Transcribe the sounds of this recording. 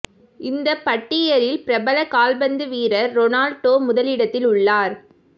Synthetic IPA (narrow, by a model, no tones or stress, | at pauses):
ɪnd̪ɐpːɐʈːɪjɐɾɪlpɪɾɐbɐlɐkaːlbɐnd̪ɯʋiːɾɐːɔnaːlʈoːmʊðɐlɪɽɐt̪ːɪlʊɭːaːɾ